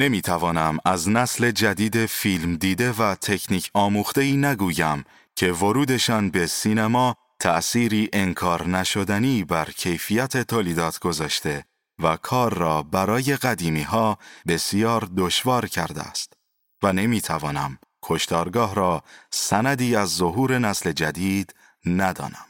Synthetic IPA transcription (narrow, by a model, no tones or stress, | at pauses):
ne̞miːt̪ʰævɒːnæmæznæsle̞d͡ʒæd̪iːd̪e̞fiːlmd̪iːd̪e̞væt̪ʰe̞cʰniːcʰɒːmuːxt̪e̞iːnæɡuːjæm | cʰe̞vo̞ɾuːd̪e̞ʃɒːnbe̞siːnemɒː | t̪ʰæʔsiːɾiːʔe̞ŋkʰɒːɾnæʃo̞d̪æniːbæɾcʰe̞jfijæt̪ʰe̞t̪ʰoliːd̪ɒːt̪ʰɡ̥o̞zɒːʃt̪e̞ | vækʰɒːɾːɒːbæɾɒːje̞ɣæd̪iːmiːɦɒːbe̞sjɒːɾd̪o̞ʃvɒːɾcʰæɾd̪ḛæ̰st̪ | væne̞miːt̪ʰævɒːnæ̰m | kʰo̞ʃt̪ɒːɾɡɒːɦɾɒːsænæd̪iːæzːo̞ɦuːɾe̞næsle̞d͡ʒæd̪iːd̪̥ | næd̪ɒ̰ːnæm